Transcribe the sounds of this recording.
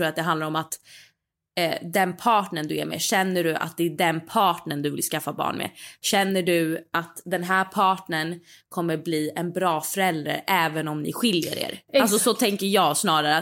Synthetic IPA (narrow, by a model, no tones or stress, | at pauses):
ɾuːɾat̪̚d̪ɛɦand̪aɾɔmat̪ | d̪ɛnpʰɑːʈɳənd̪ɵæ̰ɾmḛɕɛnːəɖɵʔa̰t̪̚d̪ɛːɖɛnpʰɑːʈɳənd̪ɵvɪ̰lskafːabɑ̰ːɳmʔḛɕɛnːəɖɵat̪d̪ɛnɦæːɾpʰɑːʈɳəɳkʰɔmːəɾbliːɛnbɾɑːfœɾɛld̪ɾa̰ɾʔɛːvənɔmnɪ̰ɧɪljə̰ɾḛːɾʔalsɔsɔt̪ʰɛŋkəɾjɑːɡsnɑːɾaɾə